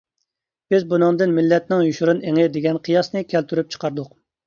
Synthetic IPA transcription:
b̥ɪzbunɨŋd̪ɨnmɪlːɛt̪̚nɪŋjuʃuɾuneŋɪd̪eɡʲɛnqʰijɑsnɨkʲʰælt̪ʰyɾyp̚t͡ʃʰə̥qʰɑɾd̪ʊq

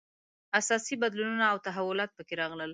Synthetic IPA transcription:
asɑsibad̪lununaːwt̪aɦawʊlɑt̪̚pəkeɾɑɣləl

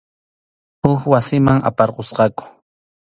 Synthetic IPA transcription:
hʊkwasɪmaŋa̰pɑɾqosqɑkʊ̥

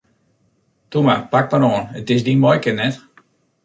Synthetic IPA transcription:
tumapak̚maɾoːnətɪs̬dinmɔjkɪtnɛt

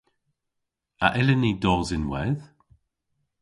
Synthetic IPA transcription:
a̰ʔɪlənidɔːzɪnwɛð

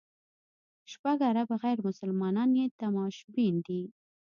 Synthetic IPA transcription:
ʃpaɡaɾabaɣajɾmʊsəlmɑnɑnjet̪amɑʃbind̪i

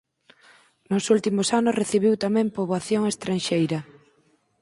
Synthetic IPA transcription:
nʊsult̪imʊsanʊsreθiβiwt̪amɛ̃mpoβaθjoŋest̪ɾanʃejɾɐ

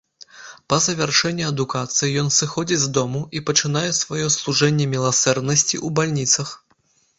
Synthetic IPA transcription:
pɐzɐvʲarʂɛnʲːiɐd̪ukat̪sɨjijɔnsɨxɔd͡zʲizd̪ɔmuʔipɐt͡ʂɨnajɛsvajɔslˠuʐɛnʲːɛmʲilˠasɛrd̪nɐsʲt͡sʲḭʔubalʲnʲit̪sɐx

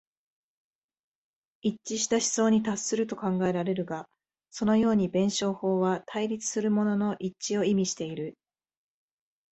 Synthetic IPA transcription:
it͡ɕːiɕi̥t̪aɕi̥zo̞ːɲ̟it̪asːɨɾɯ̟t̪o̞kãŋɡae̞ɾaɾe̞ɾɯ̟ɡa | so̞no̞jo̞ːɲ̟ibẽ̞ɰ̃ɕo̞ːho̞ːβat̪ʰaiɾʲit͡sɨ̥sɨɾɯ̟mo̞no̞no̞ʔit͡ɕio̞imʲiɕi̥t̪e̞iɾɯ̟

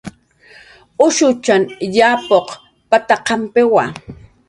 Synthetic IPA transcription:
ʊʃʊt͡ʃanjaːpoq | pat̪aqɑmpɪwa̰

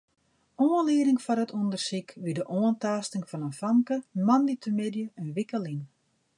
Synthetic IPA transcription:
oːənliːɾɪŋfɔnətʰundərsikʋidəʔoəntaːstɪŋfɔnənfaŋkəmanditʰəmɪdjəənʋikəlin

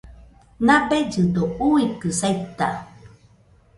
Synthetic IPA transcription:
nabed͡ʒɨdouikɨsajt̪ːa

